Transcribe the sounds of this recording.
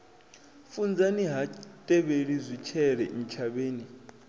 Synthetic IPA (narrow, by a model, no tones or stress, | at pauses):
fund͡zʱaniɦatʼɛɓeɺizʷit͡ʃʰɛɺɛ̰ʔn̩t͡ʃʰaɓeːni